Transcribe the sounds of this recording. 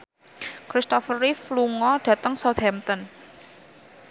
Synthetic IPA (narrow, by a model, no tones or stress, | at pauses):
kɾist̪ɔfərːifluŋɔɖ̥ä̤t̪əŋsɔd̪ɛmt̪ɔn